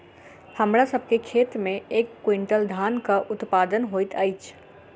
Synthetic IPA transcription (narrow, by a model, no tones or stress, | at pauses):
həmɾasəbʱkekʰeːt̪mẽeːkːwĩɳʈəld̪ʱaːnkaʔʊt̪pad̪ənɦoit̪aːɪt͡ʃʰ